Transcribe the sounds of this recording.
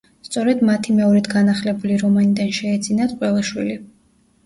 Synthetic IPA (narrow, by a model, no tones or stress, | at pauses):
st̪sʼɔɾɛd̪mat̪ʰimɛɔɾɛd̪ʰɡanaχlɛbuliɾɔmanid̪anʃɛːd̪zinat̪ʼqʼwɛlaʃwḭli